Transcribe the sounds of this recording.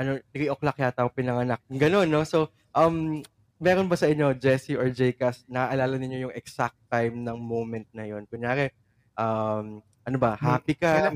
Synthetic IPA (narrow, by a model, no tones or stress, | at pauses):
ʔɐno̞nɐkiʔoklɐkjaːt̪apɪnɐŋɐnak̚ɡɐno̞nːo̞so̞ | ʔɐm | mɛːɾonbɐsɐʔɪɲːo̞d͡ʒɛsiʔoɹd͡ʒɛjkɐsnɐʔaʔɐlaːlɐnɪɲːo̞jʊŋɛksak̚t̪ːajmnɐŋmowmɛnt̪̚nɐjo̞nkʊɲaːɡɛ | ʔɐm | ʔɐnobɐhaːpɪka